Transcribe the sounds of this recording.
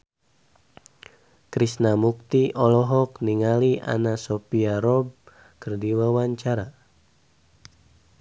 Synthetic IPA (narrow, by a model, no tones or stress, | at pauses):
kɾisnamuk̚t̪iʔɔlɔɦɔk̚niŋaliʔa̰nasopiaɾɔb̚ | kərdiwawaɲt͡ʃaɾa